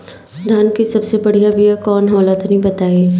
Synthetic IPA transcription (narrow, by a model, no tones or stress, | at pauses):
d̪ʱankisɐbsebɐɽ̤ijabʱijakɔːnɦɔːlət̪nɐɦĩbɐt̪aːeː